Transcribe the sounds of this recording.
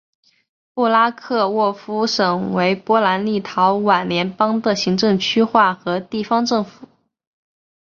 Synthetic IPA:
pu˥˩la˥kʰɤ˥˧wɔ˥˩fu˥ʂɤ˨˩ŋwe˧˥ɪpwɔ˥la˧˥nli˥˩t̪ʰɑ˧˥ʊwa˨˩nljɛ˧˥npɑ˥ŋd̪ə˨ɕi˧˥ŋʈ͡ʂɤ˥˧ŋt͡ɕʰy˥xwa˥˩xɤ˧˥t̪i˥˩fɑ˥ŋʈ͡ʂɤ˥˩ŋfu˨˩˦

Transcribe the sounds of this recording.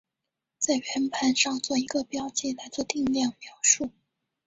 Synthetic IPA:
t͡sa˥˩ɪɥɛ˧˥npʰa˧˥nʂɑ˥˧ŋt͡swɔ˥˩i˧˥ɡə˧pjɑ˥ʊt͡ɕjɛ˥˩la˧˥ɪt͡swɔ˥˧t̪i˥˧ŋljɑ˥˩ŋmjɑ˧˥ʊʂu˥˩

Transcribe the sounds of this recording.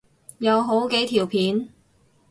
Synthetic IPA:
jɐ˨˧wɦo˨˥wke˨˥jt̪ʰiː˨˩wpʰiː˨˥n

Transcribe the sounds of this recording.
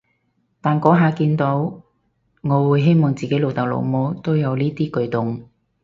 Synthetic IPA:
t̪aː˨nkɔː˨˥ɦaː˨˧kiː˧nt̪o˨˥w | ŋɔː˨˧wuː˨˧jɦe˥jmɔː˨ŋt͡siː˨ke˨˥jlo˨˧wt̪ɐ˨˩w̚lo̰˨˧wmo˨˧wt̪o˥wjɐ˨˧wliː˥t̪iː˥kɵ˧ɥt̪ʊ˨ŋ

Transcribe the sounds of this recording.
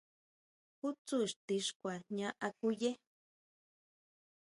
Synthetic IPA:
hu˦t͡su˦ʃt̪i˧ʂkʷa˨ɲã˦ʔa˧ku˦je˦

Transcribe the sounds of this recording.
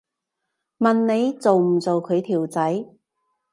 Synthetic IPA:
mɐ˨nne˨˧jt͡so˨wm̩˨˩t͡so˨wkʰɵ˨˧ɥt̪ʰiː˨˩wt͡sɐ˨˥j

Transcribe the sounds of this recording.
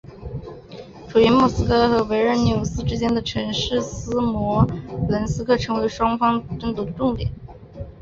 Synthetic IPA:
ʈ͡ʂʰu˨˩y˧˥mu˥˩sɹ̩˥kʰɤ˥˩xɤ˧˥we˧˥ɪɻə˧˥nnjo˧˥˩ʊsɹ̩˥ʈ͡ʂɻ̩˥t͡ɕjɛ˥nd̪ə˨ʈ͡ʂʰɤ˧˥ŋʂɻ̩˥˩sɹ̩˥mwɔ˧˥lə˧˥nsɹ̩˥kʰɤ˥˩ʈ͡ʂʰɤ˧˥ŋwe˧˥ɪʂwɑ˥ŋfɑ˥ŋʈ͡ʂə˥˩ŋt̪u˥˩d̪ə˦ʈ͡ʂʊ˥˩ŋt̪jɛ˨˩˦n

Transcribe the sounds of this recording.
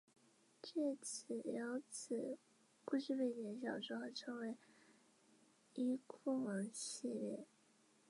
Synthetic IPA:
ʈ͡ʂe˥˩t͡s̩ʰ˨˩jɑ˧˥ʊt͡s̩ʰ˨˩ | pu˥˧ʂɻ̩˥˧pe˥˩ɪt͡ɕjɛ˧˥nɕ̬jɑ˨˩ʊʂɻ̩˥xo˥˩ʈ͡ʂʰɤ˧˥ŋwe˧˥ɪ | i˥kʰʊ˥˩ŋə˧˥ŋɕi˥˧ljɛ̰˥˩

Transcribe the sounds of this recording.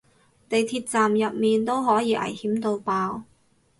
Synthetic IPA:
t̪e˨jt̪ʰiː˧t̚t͡saː˨mjɐ˨p̚miː˨nt̪o˥wɦɔː˨˥jiː˨˧ʔɐ̰˨˩jhiː˨˥mt̪o˧wpaː˧w

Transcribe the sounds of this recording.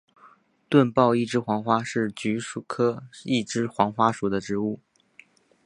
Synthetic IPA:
t̪wə˥˧npɑ˥˧ʊi˥˩ʈ͡ʂɻ̩˥xwɑ˧˥ŋxwa˥ʂɻ̩˥˩t͡ɕy˧˥ʂu˨˩kʰɤ˥i˥˩ʈ͡ʂɻ̩˥xwɑ˧˥ŋxwa˥ʂu˨˩d̪ə˦ʈ͡ʂɻ̩˧˥u˥˩

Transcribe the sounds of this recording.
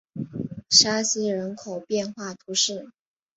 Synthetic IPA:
ʂa˥sɹ̩˥ɻə˧˥nkʰo˨˩ʊpjɛ˥˧nxwa˥˩t̪ʰu˧˥ʂɻ̩˥˩

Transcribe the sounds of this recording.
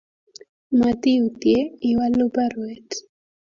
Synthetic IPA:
ma˨t̪i˦u˨t̪je˦i˨wa˦lu˦pa˦ɾwɛt

